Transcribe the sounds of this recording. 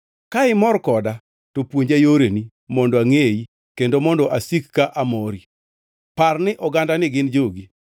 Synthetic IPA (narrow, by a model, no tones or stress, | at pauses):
kaɪmɔɾkɔda | topwoɲd͡ʒajoɾeni | mɔndɔaŋeji | kendomɔndɔʔasikːaʔamoɾi | parnɪʔɔɡandanɪɡɪnd͡ʒoɡi